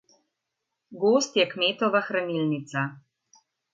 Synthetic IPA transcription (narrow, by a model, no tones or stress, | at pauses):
ɡoːst̪jɛkmeːt̪ɔʋaxɾanilnit̪sa